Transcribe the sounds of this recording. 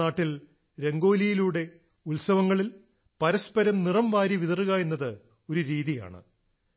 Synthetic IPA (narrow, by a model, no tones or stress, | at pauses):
aːʈːil | ɾe̞ŋɡo̞ːlijiluːɽe̞ | ulsɐʋɐŋːɐɭil | pɐɾɐspɐɾɐmnirɐmʋaːɾiʋiðɐrɨɣaːjinːɐðɨ | o̞ɾuɾiːðija̰ːɳɨ̰